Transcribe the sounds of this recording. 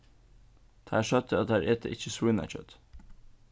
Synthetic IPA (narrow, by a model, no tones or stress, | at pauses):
d̪̥æːʃœt̪ʰəɑt̪̚æːɾʔeːt̪ʰə̰ʔɪçəswɪnæ̰t͡ʃœ̰t̪